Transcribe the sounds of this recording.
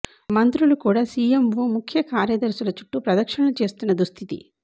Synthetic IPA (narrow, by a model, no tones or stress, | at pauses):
mɐnt̪ɾulukuːɽaːsiːemʋoːmukʰjɐkaːɾjɐd̪ɐɾsulɐt͡ʃuʈːupɾɐd̪ɐkʂɐɳɐlut͡ʃe̞ːst̪unːɐd̪ust̪ʰit̪ḭ